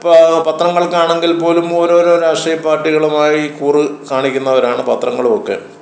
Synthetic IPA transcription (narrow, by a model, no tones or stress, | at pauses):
ppɐt̪rɐŋːɐɭkaːɳe̞ŋɡilpo̞ːlumoːɾoːɾo̞ːɾaːʂʈriːjɐpːaːrʈːiɣɐɭumaːjikuːrɨkaːɳikʲːunːɐʋɐɾaːɳɨpɐt̪rɐŋːɐɭumo̞kːe̞̰